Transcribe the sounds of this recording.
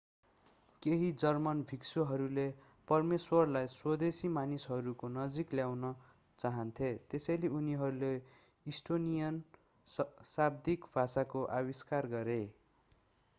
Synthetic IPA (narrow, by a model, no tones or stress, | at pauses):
keɦid͡zʌrmʌnbʱiksoɦʌɾule | pʌrmeswʌrlajswʌd̪esimanisɦʌɾukonʌd͡zikljawnʌ | t͡saɦʌnt̪ʰet̪esʌjleuniɦʌɾule | isʈonijʌn | sab̚d̪ikbʱasakoʔawiskarɡʌɾe